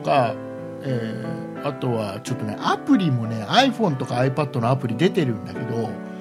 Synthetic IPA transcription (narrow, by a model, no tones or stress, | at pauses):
oka | eː | at̪o̞βat͡ɕo̞t̪ːo̞ne̞̰ʔapɯ̟ɾʲimo̞ne̞aiɸõ̞nt̪o̞kaːipad̪ːo̞no̞apɯ̟ɾʲid̪e̞t̪e̞ɾɯ̟̃nd̪ake̞d̪o̞